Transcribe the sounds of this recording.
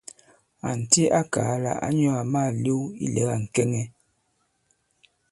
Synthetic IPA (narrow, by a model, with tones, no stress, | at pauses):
a˨n̩˨ti˦a˦kaː˨˦la̰˨ʔa̰˦ɲɔ˦a˨ma˦˨li˦ḭ˦lɛ̰˨˦ɣa˨ŋ̩˨kɛ˦ŋɛ˦